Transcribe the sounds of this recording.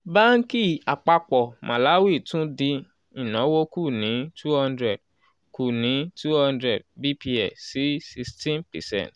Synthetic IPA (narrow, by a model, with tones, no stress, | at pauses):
ba˦ŋ̩˦ki˦˨a˨k͡pa˧k͡pɔ˨mʔã˨la˨˦wi˦˨tũ˦di˧ | i˨nã˨˦wo˦ku˦˨nĩ˨˦tu˦hã˧ndɾɛ˦˨d̚ | ku˨nĩ˨˦tu˦hã˧ndɾɛ˦˨d̚bi˦pi˧ɛ˨si˨˦si˧stĩ˦npɛ̰˨sɛ̰̃˦˨nt